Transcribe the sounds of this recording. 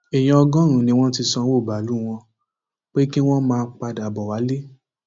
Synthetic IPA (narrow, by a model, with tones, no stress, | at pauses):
e˨j̃ã˧ɔ˧ɡɔ̃˦ɾ̃ũ˨nĩ˧w̃ɔ̃˦ti˧sɔ̃˧wo˦˨ba˨˦lu˦w̃ɔ̃˧ | k͡pe˦ki˦w̃ɔ̃˦mãː˧k͡pa˧da˨bɔ˨wa˨˦le˦